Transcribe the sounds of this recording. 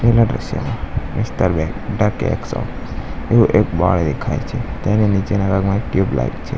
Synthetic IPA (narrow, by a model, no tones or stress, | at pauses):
pelaɖɾə̰ʃjə̰mãmɪsʈəɾbɛkɖaɾkeḛksɔ̰f | euʔekbaɭd̪ekʰa̰jt͡ʃʰet̪enenid͡ʒenaɡaɡmãʈjubla̰ɡt͡ʃʰḛ